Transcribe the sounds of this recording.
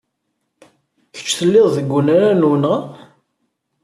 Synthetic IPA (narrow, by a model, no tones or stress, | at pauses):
çə̥t͡ʃːθəlːɪðˤðəɡʷːunaɾanunəʁ